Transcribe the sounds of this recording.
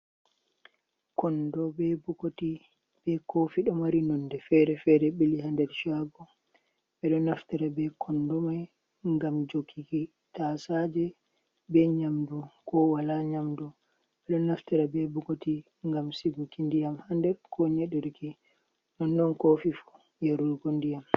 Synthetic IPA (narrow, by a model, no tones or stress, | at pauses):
kɔndɔbɛbukoti | bɛkofiɗɔmaɾinɔnːdɛfɛɾɛfɛɾɛɓiliɦandɛɾʃaɡɔ | ɓɛɗɔnːaftiɾabɛkʰɔndɔmaj | ŋɡamd͡ʒokʰːiki | tasad͡ʒɛ | bɛɲamdukɔwalaɲamdu | ɓɛɗɔnːaftɛɾabɛbukoti | ŋɡamsiɡukindijamhandɛɾkʰɔɲɛɗɛɾki | nɔnːɔnkofifu̥ | jaɾuɾɡondijam